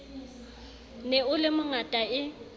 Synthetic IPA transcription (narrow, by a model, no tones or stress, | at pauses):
nɛʊlɪmʊŋatʼaɪ